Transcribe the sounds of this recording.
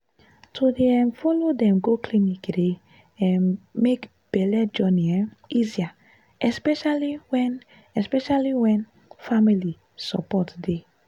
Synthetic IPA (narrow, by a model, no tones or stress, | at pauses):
tʰodeɛ̃nfɔlodɛ̃mɡoklinikde | ɛ̃nmek | b̥ɛlɛd͡ʒɔniɛizia | ɛspɛʃaliwɛn | ɛspɛʃaliwɛ̃n | famili | sɔ̰pɔtde